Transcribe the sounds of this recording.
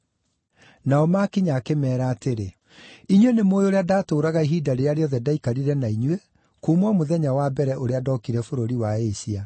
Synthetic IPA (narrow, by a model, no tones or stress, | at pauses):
naɔmakiɲakemɛːɾaːteɾe | iɲwɛnemoːjoɾeadaːtoːɾaɣaiɦidaɾeaɾeɔðɛdaikaɾiɾɛnaiɲwɛ | komwamoðɛɲawabɛɾɛʔoɾeadɔkiɾɛfoɾoɾiwaeɕia